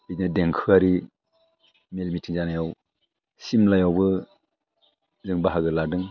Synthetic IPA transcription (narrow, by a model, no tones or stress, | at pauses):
itnɯdɛŋkʰɯaɾi | melmitʰɯŋzanajaw | simlajawbɯ | zɯŋbaɦaɡɯladɯŋ